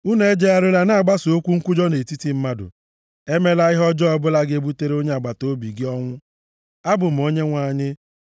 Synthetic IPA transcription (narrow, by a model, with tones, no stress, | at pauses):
u˦ne˦d͡ʒe˦a˦ɾʊ˦la˦na˦a˨ɡ͡ba˦so˦kʷu˦ŋ̩˦kʷu˦d͡ʒɔ˦ne˨ti˦ti˦m̩˦ma˦dʊ̰˨ | e˦me˦la˦ɪ˦ɦɔ˦d͡ʒɔ˦ɔ˦bʊ˦la˦ɡɪ˦e˦bu˦te˦ɾe˦o˦ɲe˦a˨ɡ͡ba˨to˦bi˨ɡɪ˦ɔ˦ŋʷʊ˦ | a˦bʊ˨m̩˨o˦ɲe˦ŋʷa˨ɲɪ˦